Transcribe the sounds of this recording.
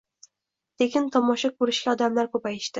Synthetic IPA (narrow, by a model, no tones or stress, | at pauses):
t̪ʰekʲɪnt̪ʰɒmɒʃakʰɵɾɪʃɡʲaɒd̪amlaɾkʰɵpajɪʃt̪ɪ